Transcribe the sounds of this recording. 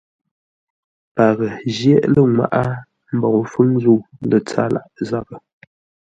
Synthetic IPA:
pa˨ɣə˨ʒjɛ˦ʔlə˦ŋwa̰˦˨ʔa˦ | m̩˨bɔ˨fɨ˦ŋzu˦˨lə˨t͡sa̰˦la̰˨ʔza˦bə˨

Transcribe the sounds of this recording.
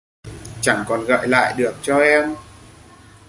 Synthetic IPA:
t͡ɕa˧˩ŋkɔ˨˩nɣə̰ː˧˨jla̰ː˧˨jɗɨ˨˩ək̚t͡ɕɔ˧ʔɛ˧m

